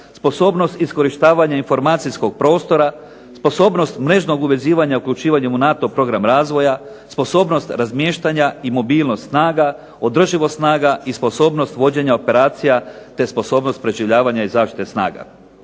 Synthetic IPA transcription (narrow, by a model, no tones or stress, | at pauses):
spo̞so̞ːbno̞st̪isko̞ɾiʃt̪aːʋaɲainfo̞ɾmaːt̪sisko̞ɡ̥̚pɾo̞ːst̪o̞ɾa | spo̞so̞ːbno̞st̪mɾe̞ʒno̞ɡuʋe̞ziːʋaɲaukʎʲut͡ʃiːʋaɲemunat̪o̞pɾo̞ɡɾamɾaːzʋo̞ja | spo̞so̞ːbno̞st̪ɾazmjeːʃt̪aɲaimo̞biːlˠnost̪snaːɡa | o̞d̪r̩ʒiʋost̪naːɡaispo̞so̞ːbno̞st̪ʋo̞d͡ʑe̞ɲaope̞ɾaːt̪sijat̪e̞spo̞so̞ːbno̞st̪̚pɾe̞ʒiʋʎaːʋaɲaizaːʃt̪i̥t̪e̞sna̰ːɡa̰